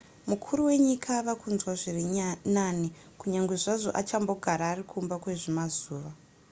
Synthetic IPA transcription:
mukʰuɾuwe̞ɲikʰaʋakʰunzwaʐirinani | kuɲaŋɡwe̞ʐaʐo̞̰ʔat͡ʃambo̞ɡʱaɾaːrikʰumbakwe̞ʐemazuːʋa

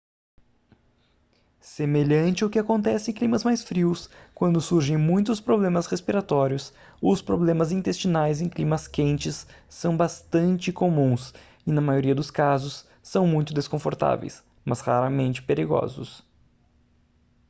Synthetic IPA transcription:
semeʎɐ̃nt͡ʃɪʊkɪakõnt̪ɛsɪẽklĩmɐzmajsfɾiwskwɐ̃nd̪ʊsuɾʒẽj̃mũj̃t̪ʊspɾoblẽmɐshespiɾat̪ɔɾiʊs | ʊspɾoblẽmɐzĩnt̪est͡ʃinajzẽj̃klimɐskẽnt͡ʃɪsːɐ̃w̃bast̪ɐ̃nt͡ʃɪkomũs | ɪnɐmajoɾiɐd̪ʊskazʊsː | ɐ̃w̃mũj̃t̪ʊd̪eskõfoɾt̪a̰vḛjs | mɐshaɾɐmẽnt͡ʃɪ̥peɾiɡɔ̰zʊ̰s

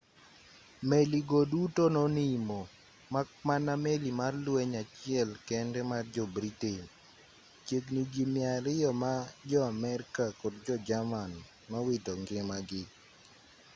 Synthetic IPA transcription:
meliɡodutononimo | makmanamelimarlwɛɲat͡ʃɪɛlkɛndɛmard͡ʒɔbɾiten | t͡ʃekniɡimɪaɾɪjɔmad͡ʒɔamɛɾkakɔdd͡ʒɔd͡ʒaman | mawɪtɔŋɡɪmaɡɪ

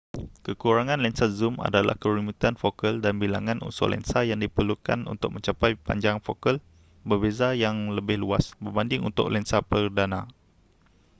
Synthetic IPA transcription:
kəkuɾaŋãnlɛnsazuma̰dala̰hkəɾumut̪ianfokəldanbilaŋãnṵnso̰lɛ̰nsajaŋdipərluka̰nṵnt̪ʊk̚mə̃ɲt͡ʃapajpa̰ɲd͡ʒaŋfokəl | bərbezajaŋləbɪhluasbərbandɪŋṵnt̪ʊ̰klɛnsapərdanã

